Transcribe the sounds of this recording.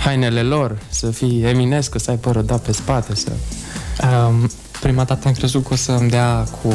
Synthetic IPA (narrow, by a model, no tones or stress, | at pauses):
hajne̞le̞lo̞rsəfiemine̞skəsəajpəɾəd̪ape̞spat̪e̞sə̰ə | pɾimad̪at̪əamkɾe̞zut̪kəosəmd̪eakʰu